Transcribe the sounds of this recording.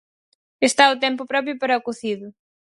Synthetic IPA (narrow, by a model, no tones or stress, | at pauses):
est̪aʊt̪̬empʊpɾɔp̬ɾjʊpɐɾɐkʊθiðʊ